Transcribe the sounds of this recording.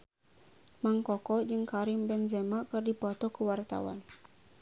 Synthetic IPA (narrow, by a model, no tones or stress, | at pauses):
maŋkɔkɔd͡ʒɨŋkaɾɪmbɛnzɛmakɨrdipɔt̪ɔkəwart̪a̰wa̰n